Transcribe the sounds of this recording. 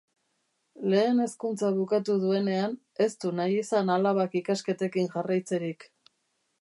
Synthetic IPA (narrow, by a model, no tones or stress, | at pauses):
le̞ːne̞skunt͡saβukat̪uðue̞ne̞an | e̞st̪unajisanalaβakikaske̞t̪e̞kiŋʝarajt͡se̞ɾik